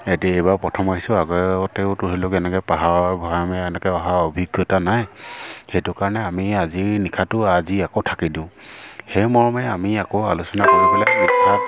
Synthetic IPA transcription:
etiaejbapɹɔtʰɔmaisʊaɡɔɔteʊtʊtilʊkɛnɛkɛpaɦabʱaamɛɛnɛkɛɔɦaobʱiɡjɔtanajxɛtʊkaɹɔnɛamiaziɹnikʰatʊaziakɔtʰakidiʊ̃hɛmɔɹmaamiakɔalusɔnakɔɹipɛlamɔtʰa

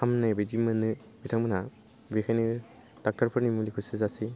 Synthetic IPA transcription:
amnajbedimɐnɯ | bitʰaŋbɯna | bikʰajni | d̥ak̚taɾpʰɯɾnimulikʰusɯzasi

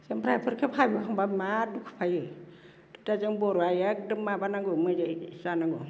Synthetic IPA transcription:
seŋpɾajpʰɯɾkʰephajbɯaŋbamadukʰɯ̥pʰajɯ | d̥ɯtazɯŋbɔɾuajak̚dɯmːabanaŋɡɯmɯd͡ʒasanaŋɡu

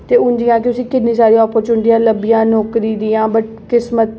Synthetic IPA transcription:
t̪eːʊnd͡ʒijãːkɪt̪ʊsĩːkɪnnːiːsaːɾiɔːpəɾt͡ʃuːnʈijãːləbːijãːnɔːkɾiːd̪iːãːbəʈ̚ | kɪsmət̪̚

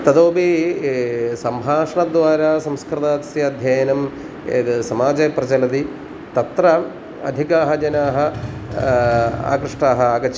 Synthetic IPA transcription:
t̪ɐd̪oːbi | sɐmbʱaːʂɐɳɐd̪ʋaːɾaːsɐmskɾɨt̪aːt̪sjɐɐd̪ʱjɐːjɐnɐmː | sɐmaːd͡ʒɐpɾɐt͡ʃɐlɐt̪i | t̪ɐt̪ɾɐ | ɐ̰d̪ʱikaːɦɐd͡ʒɐnaːɦɐ̆ | a̰ːkɾɨʂʈaːɦɐaːɡɐt͡ʃ

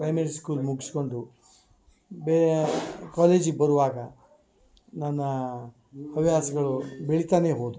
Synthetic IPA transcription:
pɾɐjmɐɾiskuːlmuɡisi̥ko̞ɳɖu | be | kaːleːd͡ʒiɡebɐɾuʋaːɡɐ | nɐnːɐ | ɐʋjaːsɐɡɐɭubeɭit̪aːne̞ːɦoːd̪u

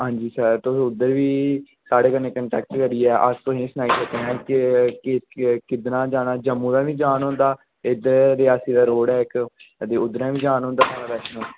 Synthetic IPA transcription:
ɦãːɲd͡ʒiːsəɾt̪osʊd̪əɾʋiː | saːɽeːkənːeːkəɳʈɛːk̚ʈkəɾiːɛːʔəst̪oɦĩːsənaːiːsət̪eɦɛ̃ːkɪkɪkɪd̪nãːd͡ʒaːnaːd͡ʒəmːũːd̪aːʋĩːd͡ʒaːnɦõːnd̪aː | ɪd̪əɾɾɪaːsiːd̪aːɾoːɽɛːɪkət̪eːʊd̪əɾãːʋĩːd͡ʒaːnɦõːnd̪aːt̪ʰaːɽaːbɛːsnũː

